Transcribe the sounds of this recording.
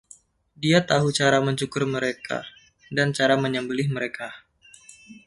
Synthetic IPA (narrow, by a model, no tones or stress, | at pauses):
diat̪aɦut͡ʃaɾaməɲt͡ʃukʊrməɾekʰa̰ | dant͡ʃaɾaməɲəmbəlɪhməɾeka